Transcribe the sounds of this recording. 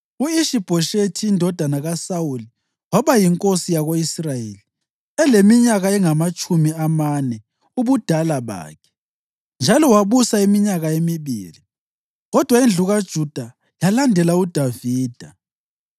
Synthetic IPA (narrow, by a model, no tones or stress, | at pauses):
uiʃib̥ʱɔʃetʰiːndʱɔd̥ʱanaɣasauli | waβajiŋkʼosijaɣoisrajeli | ɛlemiɲaɣaɛŋamat͡ʃʼumiamanɛ | uβud̥ʱalaβa̰ːkʰɛ̥ | nd͡ʒʱalɔwaβusaimiɲaɣaemiβḭːli | ɣɔd̥ʱwaind͡ɮʱuɣad̥ʒ̥ʱud̥ʱa | jalandʱɛlaud̥ʱaviːd̥ʱa